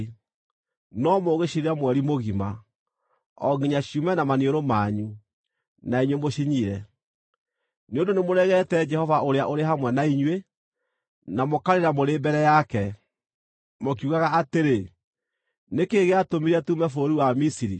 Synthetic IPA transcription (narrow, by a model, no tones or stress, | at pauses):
nɔmoɣeɕiɾeamwɛɾimoɣima | ɔɡiɲaɕiumɛnamanioɾomaɲu | naiɲwemoɕiɲiɾɛ | neondonemoɾɛɣɛtɛd͡ʒɛhɔvaʔoɾeaʔoɾeɦamwɛnaiɲwe | namokaɾeɾamoɾeːbɛɾɛjakɛ | mok̬juɣaɣaːteɾe | nekeɣeatomiɾɛtumɛfoɾiwamisiɾi